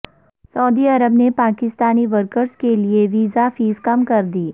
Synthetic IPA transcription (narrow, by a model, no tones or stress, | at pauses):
sɐːd̪iɐɾəbnepaːkɪst̪aːniʋəɾkəɾzkelieʋiːzafiːzkɐmkɐɾd̪iː